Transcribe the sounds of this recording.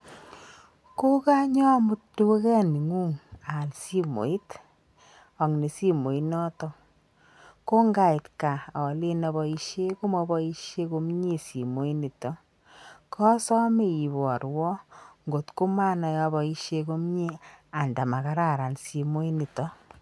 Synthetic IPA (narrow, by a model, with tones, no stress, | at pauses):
ko˦ka˦ɲɔ˦mu˦tu˦we˦kɛ˦ni˨ŋu˦ŋa˨lsi˦mo̰˨i˦t | ɔ˨ŋni˨si˦mo˨i˦nɔ˦tɔ˦ | ko˦ŋɡa˦˨i˨tka˨ɔ˨le˦nɔ˨βɔ˨i˦ʃe˦ko˦mɔ˦bɔ˦i˦ʃje˦ko˧˦m˦ɲi˦si˨mo˦i˦ni˨tɔ˦ | kʰɔ˦sɔ˦me˦˨i˨βɔ˨ɾwɔ˦ŋɡo˨tko˦ma˦nɔ˨jɔ˧bɔ˨i˦ʃe˦ko˦m˦ɲi˦a˨nda˨ma˨ka˦ɾa˦˨ɾa˨nsi˨mo˦i˦ni˨tɔ˦